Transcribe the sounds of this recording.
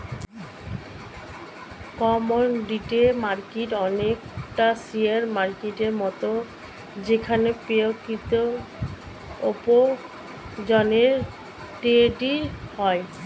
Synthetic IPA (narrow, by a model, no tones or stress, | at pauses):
kɔmonɖiʈemaɾkiʈɔnekʈasiaɾmaɾkiʈeɾmɔt̪o | d͡ʑekʰanepeokːit̪o | opo | d͡ʑɔneɾ | ʈeʈihɔe